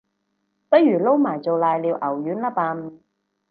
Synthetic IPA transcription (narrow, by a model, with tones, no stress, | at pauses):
pɐ˥jyː˨˩lo˥wmaː˨˩jt͡so˨wlaː˨jliː˨˧wʔɐ˨˩wjyː˨˥nlaː˥paː˧m